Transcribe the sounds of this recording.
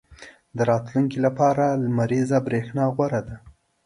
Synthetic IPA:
d̪əɾɑt̪luŋkilapɑɾamaɾizabɾexnɑɣwaɾad̪a

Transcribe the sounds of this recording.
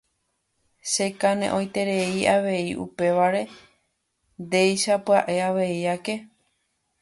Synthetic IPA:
ʃe̞kanḛ̃ʔõjt̪e̞ɾe̞iʔaʋe̞iʔṵpe̞ʋaɾe̞ | nd̪e̞jʃapɨaʔe̞aʋe̞iake̞

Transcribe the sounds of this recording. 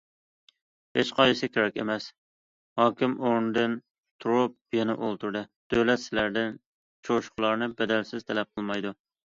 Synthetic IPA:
et͡ʃqʰɑjɪsɪkʲʰeɾɛkʲḛmɛs | hɑːkʲɪmoɾnɨd̪ɨn | t̪ʰɾʊp̚ | jɛnɪ̰ʔolˠt̪ʰuɾd̪ɨd̪̥øwlɛt̪sɪlæɾd̪ɪn | t͡ʃʰoʃʊ̥qʰlˠɑɾnɨbɛd̪ælsɪzt̪ʰɛlɛp̚qʰəlˠmɑjd̪u

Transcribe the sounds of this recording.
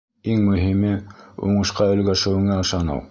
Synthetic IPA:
iŋmɵ̆ɦimɘṵɴɤ̆ʃqɑɵ̆lɡæʃɘ̆wɘ̆ŋæɤ̆ʃɑnɑ̰w

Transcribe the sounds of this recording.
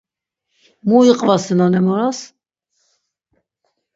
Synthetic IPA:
muiqʼvasɛnanɛmɔɾas

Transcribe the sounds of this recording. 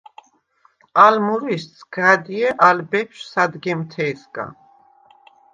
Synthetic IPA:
almuɾissɡad̪iɛʔalbɛpʃsad̪ɡɛmt̪ʰɛːsɡa̰n

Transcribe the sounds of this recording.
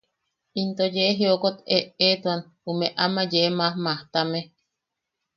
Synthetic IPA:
int̪ojeɦiokot̪eʔet̪uan | umeʔamajeʔmahmaht̪ame

